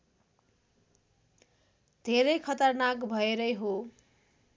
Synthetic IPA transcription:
d̪ʱeɾʌjkʰʌt̪ʌrnakbʱʌeɾʌjɦo

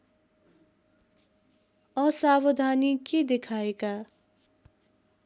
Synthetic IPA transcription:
ʌsabʌd̪ʱaniked̪ekʰaeka

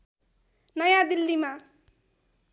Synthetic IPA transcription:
nʌjãd̪ilːima

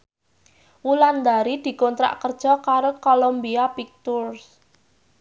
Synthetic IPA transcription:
wuland̪aɾid̪̥i̤kont̪ɾa̰ʔkərd̥ʒ̥ɔ̤kaɾokolombiapik̚t̪urs

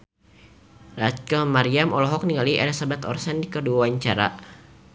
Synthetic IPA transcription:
rat͡ʃkəlmaɾiamɔlɔɦɔk̚niŋaliʔɛlisabat̪ɔ̰rsɛndikəduaaɲt͡ʃaɾa̰

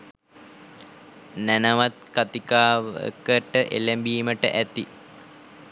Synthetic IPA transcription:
nænəʋat̪̚kat̪ikaːʋəkəʈəʔḛlembiːməʈə̰ʔæt̪i

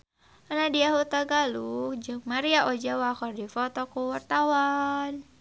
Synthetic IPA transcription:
anadiaɦut̪aɡalukd͡ʒɨŋmaɾiaʔɔd͡ʒawakɔrdifɔt̪ɔkuwart̪awan

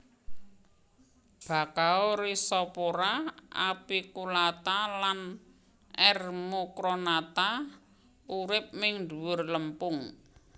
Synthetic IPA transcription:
b̥a̤kaoɾisɔpoɾaʔapikulat̪alan | ʔɛrmokɾonat̪a | uɾɪp̚mɪŋduwʊrləmpʊŋ

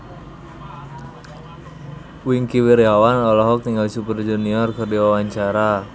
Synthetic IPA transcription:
wiŋkiwirjawanɔlɔɦɔk̚t̪iŋɡalisupərd͡ʒuniɔrkɨrdiwawaɲt͡ʃaɾa

